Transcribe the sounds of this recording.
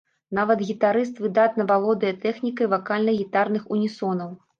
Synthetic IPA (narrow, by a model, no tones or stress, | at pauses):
navɐt̪ɣʲit̪aɾɨst̪vɨd̪at̪nɐvalˠɔd̪ɐjɐt̪ɛxnʲikɐjvakalʲnɐɣʲit̪arnɨxunʲisɔnɐw